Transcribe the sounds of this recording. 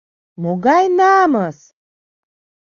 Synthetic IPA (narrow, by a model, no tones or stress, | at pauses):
moɡajnaːməs